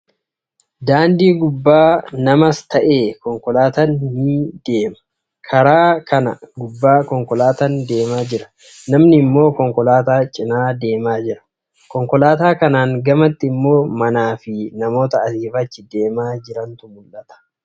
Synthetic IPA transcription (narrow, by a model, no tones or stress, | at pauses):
d̪aːnd̪iːɡʊbːaːnɐmɐst̪ɐʔe̞ːkɔŋkɔlaːt̪ɐnhɪd̪̥e̞ːmɐ̥ | kʰɐɾaːkʰɐnɐɡʊbːaːkɔŋkɔlaːt̪ɐnd̪e̞ːmaːd͡ʒɪɾɐ̥ | nɐmnɪmːo̞ːkɔŋkɔlaːt̪aːt͡ʃʼɪnaːd̪e̞ːmaːd͡ʒɪɾɐ̥ | kɔŋkɔlaːt̪aːkɐnaːŋɡɐmɐt̪ːɪɪmːo̞ːmɐnaːfɪnɐmo̞ːt̪ɐɐsiːfɐt͡ʃːɪd̪e̞ːmaːd͡ʒɪɾɐnt̪ʊmʊlʔɐt̪ɐ̥